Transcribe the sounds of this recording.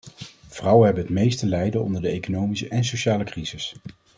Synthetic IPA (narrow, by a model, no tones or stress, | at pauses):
v̥rʌwənɦɛbənətmejstəlɛjdənɔ̰ndəɹdəejkonowmisəʔɛnsoʃaːləkrizɪs